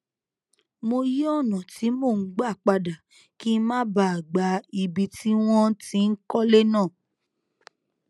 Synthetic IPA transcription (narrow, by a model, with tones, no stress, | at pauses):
mo˧ji˦ɔ˦˨nã˨ti˨˦mo˦˨ŋ̩˦ɡ͡ba˦˨k͡pa˧da˨ | ki˦mãː˦ba˦˨a˨ɡ͡ba˧i˧bi˧ti˦w̃ɔ̃˦ti˦n̩˦kɔ˦le˦nãː˦˨